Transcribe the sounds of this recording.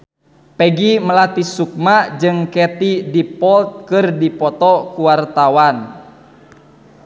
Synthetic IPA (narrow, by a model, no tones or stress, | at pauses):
pɛɡiməlat̪isuk̚mad͡ʒɨŋkɛt̪idipɔlt̪̚kɨrdipɔt̪ɔkuwart̪awan